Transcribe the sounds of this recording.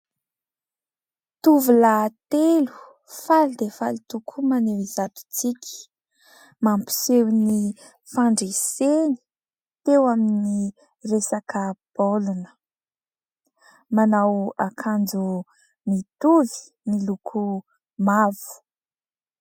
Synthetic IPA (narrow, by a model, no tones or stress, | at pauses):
t̪uvulat̪elu̥ | falid̪efalit̪ukʰumanewizat̪u̥t͡sikʲi̥ | mampi̥sewni | faɳɖ͡ʐeseni̥ | t̪ewamini | resakəb̥olunə̥ | manawakʰand͡zu | mit̪uvi̥ | nilukʰu | mavu̥